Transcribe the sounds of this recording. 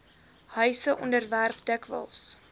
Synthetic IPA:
hœɥsəʔɔndərværpdəkvə̰lˠs

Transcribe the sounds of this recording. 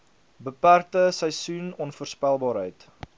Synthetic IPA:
bəpærtəsəjsunɔnfuərspælˠbɑːɾɦəjt

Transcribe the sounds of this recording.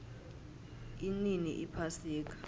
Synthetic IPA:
ininḭʔipʰasiːk̬ʼḁ

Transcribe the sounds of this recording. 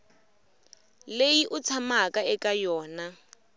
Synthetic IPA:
lejiʔʊt͡sʰamakʼaɛkʼajɔːna

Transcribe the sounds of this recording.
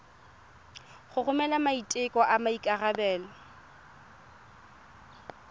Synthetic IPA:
χʊɣʊmɛlamaitʼɪkʼɔʔamaikʼarabɛːlɔ

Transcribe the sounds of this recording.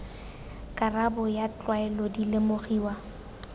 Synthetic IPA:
kʼarabʊjat͡ɬʼwaɛlɔdilemoχiːwa

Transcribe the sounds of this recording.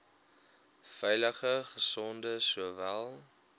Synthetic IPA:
fɛjləχəχəsɔndəsuəvælˠ

